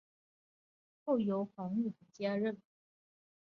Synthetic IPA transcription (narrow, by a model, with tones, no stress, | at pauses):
xo˥˩ʊjo˧˥ʊxɑ˧˥ŋy˥˩xə˧˩t͡ɕja˥ɻə˥˩n